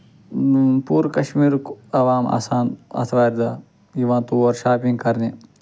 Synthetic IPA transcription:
puːɾkɐʃmiːɾkɐʋaːma̰ːsaːnɐ̰t̪ʰʋaːɾd̪aː | jiʋãːt̪uɐɾʃaːpĩŋɡ̚kɐɾneː

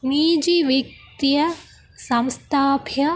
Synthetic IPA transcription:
niːd͡ʒiʋik̚t̪jɐ | sɐmst̪ʰaːpʰjɐ

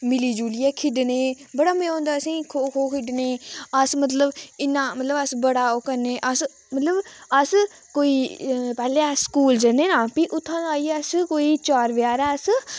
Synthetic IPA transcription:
mɪliːd͡ʒuːliːɛːkʰɪɖneːbəɽaːmẽõːnd̪aːəsĩːkʰoːkʰoːkʰɪɖneːəsmət̪̬ləbɪnːãːmət̪ləbəsbəɽaːoːkəɾneːʔəs | mət̪ləbəs | koːiːpɛːlẽːskuːld͡ʒəneːnãːpiʔʊt̪ʰːãːnaːiəskoːiːt͡ʃaːɾʋɪjaːɾɛːəs

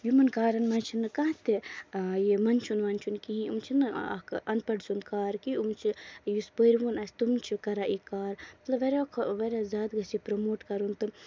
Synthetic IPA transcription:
jumɐnkaːɾɐnmɐnt͡ʃʰinɨkaːt̪ejemɐnt͡ʃʰunʋɐnt͡ʃʰunkiɦĩṵmt͡ʃʰinɨ̰kʔɐnpɐɖsunkaːɾkiumt͡ʃʰijuspəɾʋunɐsʲt̪umt͡ʃʰikɐɾaʔikaːɾmɐt̪lɐbʋɐɾʲakʰʋɐɾʲazaːd̪ɡɐsipɾomoːʈkɐɾunt̪ɨ

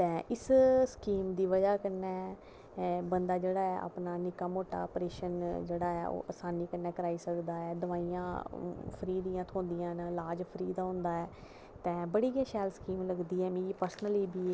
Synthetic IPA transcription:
t̪ɛ̃ːʔɪsskiːmd̪iːʋəd͡ʒaːkənːɛː | bənd̪aːd͡ʒeːɽaːɛːʔa̰ːpnaːnɪkaːmoːʈa̰ːəpɾeːʃənd͡ʒeːɽaːɛ̰ːʔo̰ːʔəsaːniːkənːɛːkəɾaːiːsəkd̪aːɛːd̪əʋaːijã̰ːpʰəɾiːd̪iːãːt̪ʰõːnd̪ijãːnəlaːd͡ʒpʰəɾiːd̪aːɦʊ̃ːnd̪aːɛː | t̪ɛ̃ːbəɽiːɡãːʃɛːlskiːmləɡd̪iːɛːmĩːɡiːpəɾsnəliːbiː

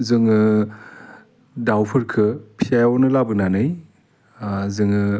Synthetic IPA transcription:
zɯŋɯ | dawpʰɯɾkʰɯpʰijajɔnɯlabɯnanɯj | zɯŋɯ

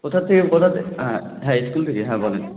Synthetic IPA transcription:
kot̪ʰat̪ʰːekekɔt̪ʰat̪ | ɦɛ̃skult̪ʰekeɦɛ̃bɔlen

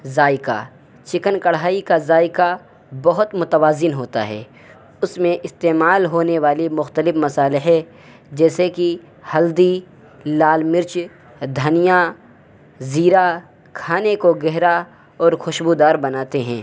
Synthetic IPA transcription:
zaːɪka̰ | t͡ʃɪkənkɐɽaːikazaːɪka | bɐɦʊt̪mʊt̪əʋaːzɪnɦoːt̪a̰ɦɛ̰ː | ʊsmẽʔɪst̪eːmaːlɦoːneʋaːlimʊxt̪əlɪfmɐsaːlɪɦɛ | d͡ʒɛːseki | hɐld̪i | laːlmɪɾt͡ʃ | d̪ʱɐnija | ziːɾa | kʰaːnekoɡɛɦɾa | ɔːɾxʊʃbud̪aːɾbɐnaːt̪eɦɛ̃ː

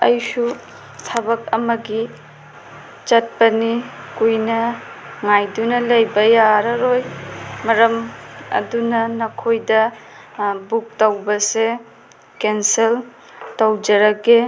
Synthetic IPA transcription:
ɐ̰jsu | tʰɐbɐk̚ɐmɐɡi | t͡ʃɐt̚pɐnikujnɐŋajdunɐlɐjbɐjaɾɐɾojmɐɾɐmɐ̰dunɐnɐkʰojdɐ | buk̚tɐwbɐse | kensel | tɐwd͡ʒɐɾɐɡe

